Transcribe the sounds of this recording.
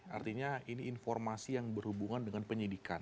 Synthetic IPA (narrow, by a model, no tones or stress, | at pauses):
a̰rt̪iɲainiːnfɔrmasijaŋbərhubuŋandəŋanpəɲidikan